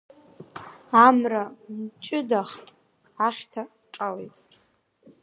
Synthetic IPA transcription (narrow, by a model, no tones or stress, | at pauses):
amramt͡ʃʼɪdaχtʼ | aχʲtʰa | ʈ͡ʂʼalḛjtʼ